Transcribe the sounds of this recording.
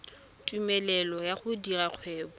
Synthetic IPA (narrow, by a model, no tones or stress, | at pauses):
tʼumɛlɛlɔjaχʊdiraq͡χʰwɛːbɔ